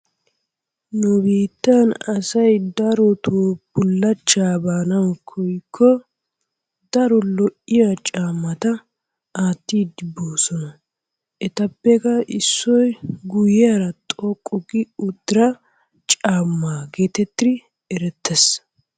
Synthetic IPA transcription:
nʊbiːt̪ːanɐsɐjd̪ɐɾɔt̪ʰuːbʊlːɐt͡ʃːaːbaːnɐwkʰɔjkʰːɔ | d̪ɐɾɔlɔʔːɪjat͡ʃʼaːmːɐt̪ɐ | aːt̪ːiːd̪ɪboːsɔnɐ | ɛt̪ɐpːɛkɐɪsːɔjɡʊjɪjaːɾɐt̪ʼɔkʼːʊɡɪʊd̪ːɪɾɐ | t͡ʃʼaːmːaːɡeːt̪ɛt̪ːɪ | ɛɾɛt̪ʰːɛs

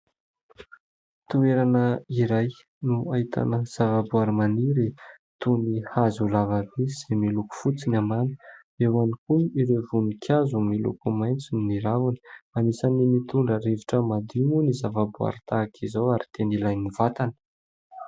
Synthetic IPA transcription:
t̪ueɾanəiɾaj | nuaɦit̪a̰nəz̥avabuaɾimaniɾi | t̪unihazulavaɾiz̥emiluku̥fut͡sinamanə̥ | ewanikuniɾevunikʰjazumilṵkumajnt͡sinːiɾavani̥manisanimit̪uɳɖ͡ʐəɾeviʈ͡ʂəmad̪imunizavabua̰ɾit̪akʰizowaɾit̪enilajnivat̪anə̥

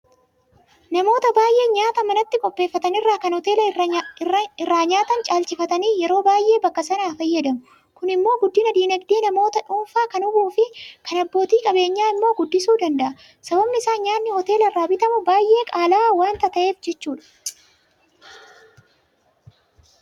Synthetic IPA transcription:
nɐmo̞ːt̪ɐbaːjʔe̞ːɲaːt̪ɐmɐnɐt̪ːɪkʼɔpʼːe̞ːfːɐt̪ɐnɪrːaːkɐnhɔt̪e̞ːlɐ | ɪrːaːɲaːt̪ɐnt͡ʃʼaːlt͡ʃɪfɐt̪ɐniːjɛɾo̞ːbaːjʔe̞ːbɐkːɐsɐnaːfɐjːɐd̪ɐmʊ | kʊnɪmːo̞ːɡʊd̪ːɪnɐd̪iːnɐɡd̪eːnɐmo̞ːt̪ɐᶑʊːfaːkɐnʊbuːfɪkɐnɐbːo̞ːt̪iːkʼɐbe̞ːɲːaːɪmːoːɡʊd̪ːɪsuːd̪ɐnd̪ɐʔɐ | sɐbɐbnɪɪsaːɲaːnːɪhɔt̪e̞ːlɐrːaːbɪt̪ɐmʊbaːjʔe̞ːkʼaːlaːwaːnt̪ɐt̪ɐʔe̞ːfd͡ʒɛt͡ʃːuːᶑɐ̥

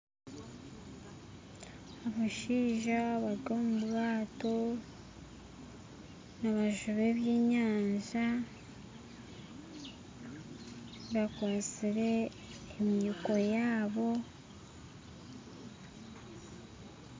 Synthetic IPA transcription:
aβaʃiːʒaβaɾɡomubɣaːto̞ | naβaʒuβe̞βjeːɲaːɲʒa | βakwaːt͡siɾe̞ː | mjuko̞jaːβo̞

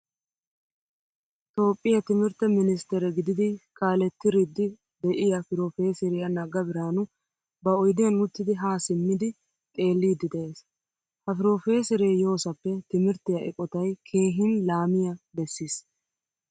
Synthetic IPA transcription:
t̪o̞ːpʼːɪjɐt̪ɪmɪɾt̪ːɛmɪnɪst̪ɛɾɛɡɪd̪ɪd̪ɪkʰaːlɛt̪ːɪɾɪd̪ːɪ | d̪ɛʔɪjɐfɪɾoːfe̞ːsɛɾɪjɐnɐɡɐbɪɾaːnʊ | bɐɔjd̪ɪjɐnmʊt̪ːɪd̪ɪɦaːsɪmːɪd̪ɪ | t̪ʼe̞ːlːiːd̪ɪd̪ɛʔe̞ːs | hɐfɪɾo̞ːfe̞ːsɪɾeːjo̞ːsɐpːɛt̪ɪmɪɾt̪ːɪjɐʔɛ̰kʼɔt̪ɐjkʰe̞ːɦɪnlaːmɪjɐbɛsːiːs

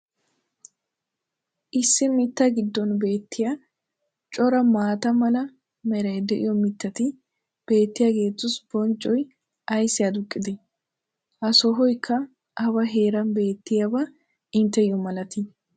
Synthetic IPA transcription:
ʔɪsːɪmɪt̪ːɐɡɪd̪ːɔnbe̞ːt̪ːɪja | t͡ʃʼɔɾɐmaːt̪ɐmɐlɐ | mɛɾɐjd̪ɛʔɪ̰jɔmɪt̪ːɐt̪ɪ | b̥e̞ːt̪ːɪjaɡe̞ːt̪ːʊsb̥ɔnt͡ʃʼːɔj | ʔɐjsɪjad̪ʊkʼːɪd̪ɪ | ʔɐsɔɦɔjkʰːɐ | ʔɐbɐɦe̞ːɾɐnbe̞ːt̪ːɪjabɐ | ɪnt̪ːɛjɔmɐlɐt̪ɪ

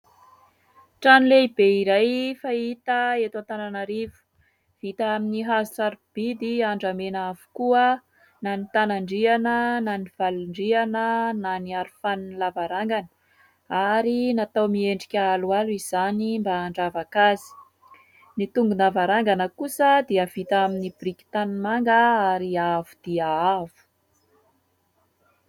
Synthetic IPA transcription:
ʈ͡ʂanileibeiɾajfait̪əet̪want̪ananaɾivu̥ | v̥it̪aaminiɦaziʈ͡ʂaɾib̥id̪iaɳɖ͡ʐamenaavu̥kuə | nanit̪anaɳɖ͡ʐianənaniv̥aluɳɖ͡ʐianənaniaɾufaninlavaɾaŋɡanə̥ | aɾinat̪awmieɳɖ͡ʐikʲaalualiz̥animbaːɳɖ͡ʐavakazi̥ | nit̪uŋɡunavaɾaŋɡanəkusəd̪iəvit̪aminibrikʲi̥t̪anmaŋɡəaɾiavud̪̥iaavu̥

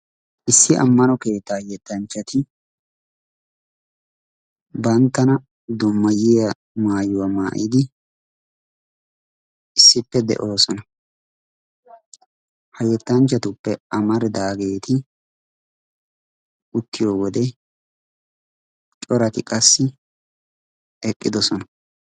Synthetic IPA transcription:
ʔɪsːɪʔɐ̰mːɐnɔke̞ːt̪ːaːjɛt̪ːɐnt͡ʃːɐt̪ɪ | bɐnt̪ːɐnɐ | d̪ɔmːɐjɪjɐ | maːjʊwɐma̰ːʔɪd̪ɪ | ɪsːɪpːɛd̪ɛ̰ʔo̞ːsɔnɐ | hɐjɛt̪ːɐnt͡ʃːɐt̪ʊpːɛɐmɐɾd̪aːɡe̞ːt̪ɪ | ʊt̪ːɪjoːwɔd̪ɛ | t͡ʃʼɔɾɐt̪ɪkʼɐsːɪ | ɛkʼːɪd̪ɔsɔnɐ

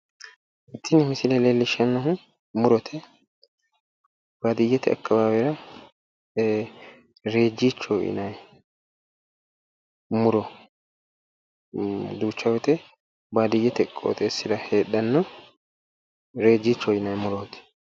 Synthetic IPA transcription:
ʔɪt̪ːɪnɪmɪsɪlɛleːlːɪʃɐnːɐɦʊ | mʊɾɔt̪ʰɛ | b̥aːd̪ɪjːɛt̪ɛɐ̰kːɐbaːbɛɾɐ | ɾe̞ːd͡ʒːiːt͡ʃːɔʔɪ̰nɐj | mʊɾɔ | d̪uːt͡ʃːɐwɛt̪ɛ | baːd̪ɪjːɛt̪ɛkʼo̰ːt̪ʼesːɪdɐheːɗːɐnːɔ | ɾe̞ːd͡ʒːiːt͡ʃːɔɪnɐjmʊɾoːt̪ɛ̥

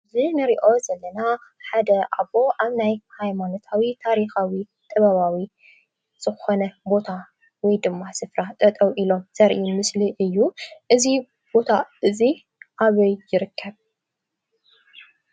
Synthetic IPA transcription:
zinɨɾiʔo̞zɐlːɐnaħad̪ɐʔaβo̞ʔaβnajhajmano̞t̪ʰawit̪ʰaɾixawi | t̪ʼɐβaβawi | z̥ɨxonɐbo̞t̪ʰa | wɔjd̪ɨmːasɨfɾat̪ʼɐt̪ʼɐwʔilo̞mz̥ɐɾʔimɨsliʔɨjːuʔɨzi | b̥o̞t̪ʰaʔɨzi | ʔaβɐjːɪɾɨkʰːɐβ

